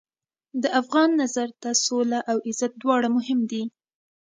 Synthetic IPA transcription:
d̪əʔafɣɑnːazaɾt̪asolaʔawɪzat̪̚d̪wɑɽamʊhɪmd̪i

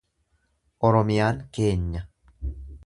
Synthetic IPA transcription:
ʔɔɾɔmɪjaːŋke̞ːɲːɐ

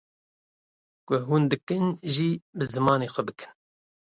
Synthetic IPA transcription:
kʊɦuːnd̪ɨkɨnʒiːbɨzɨmɑːneːxʷɛbɨkɨ̥n

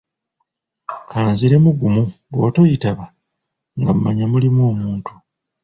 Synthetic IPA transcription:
kʰaːnziɾe̞muɡumu | ɡo̞ːto̞jitaβa | ŋɡam̩maɲamulimwoːmuːntu

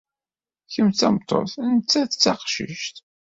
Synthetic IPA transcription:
çəmθt͡sæmt̪ˤːo̰θnət͡sːæθt͡sːɑqʃə̰ʃt̪

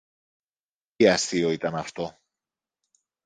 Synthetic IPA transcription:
iɐst̪ioit̪ɐnɐft̪o̞

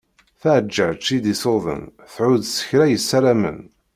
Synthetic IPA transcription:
θaʕəd͡ʒːəʕt͡ʃːid̪isoðˤə̰n | θʕuðsə̥çɾæjəsːæɾamə̰n

